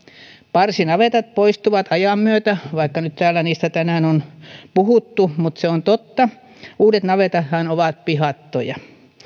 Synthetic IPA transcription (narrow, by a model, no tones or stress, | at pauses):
pɑrsinɑʋet̪ɑt̪̚poist̪uʋɑt̪ɑjɑmːyøt̪æʋɑikːɑnyt̪t̪æːlːˑæniːst̪æt̪ænæːnonpuhut̪ːumut̪seont̪ot̪ːɑ | uːdet̪nɑʋet̪ɑt̪hɑnoʋɑt̪̚pihɑt̪ːo̰jɑ